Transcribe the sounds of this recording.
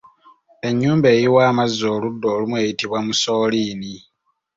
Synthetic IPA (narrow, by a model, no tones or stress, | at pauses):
e̞ɲːuːmbe̞ːjiwaːmazːoːludːo̞ːlumwe̞ːjitiβwamusoːliːni